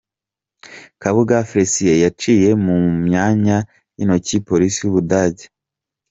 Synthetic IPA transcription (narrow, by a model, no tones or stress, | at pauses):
kaβuɡafɾesijejat͡ʃiːje̞mumɲaːɲa | jino̞cipo̞ɾisijuβudaːɟe